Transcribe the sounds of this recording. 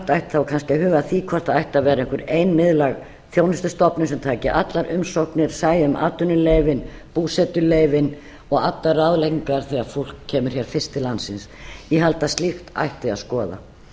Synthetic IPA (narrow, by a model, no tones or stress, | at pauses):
t̪ajht̪θawkʰanscɪaɦʏːɣaðθiːkʰɔr̥t̪aajht̪avɛːɾaɪŋkvʏɾeːjnmɪðlaɣ | θjoːwnɪst̪ʏst̪ɔpnʏsɛmt̪ʰaːcɪʔat̪laɾʔʏmsowhknɪɾ̥saːjaʏmʔa̰ːt̪ʏnʏleːjvɪnpuːsɛt̪ʏlejvɪn | ɔɣat̪laɾawðlejciŋkaɾ̥θɛaɾfowl̥kʰːɛːmʏɾ̥çɛɾ̥fɪr̥st̪ɪlant̪sɪnsjɛɦalt̪ast̪lixt̪a̰jht̪ɪa̰ðskɔːða̰